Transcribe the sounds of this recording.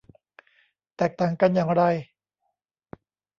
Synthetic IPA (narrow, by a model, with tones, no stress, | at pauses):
t̪ɛː˨˩k̚t̪aː˨˩ŋka˧njaː˨˩ŋɾa˧j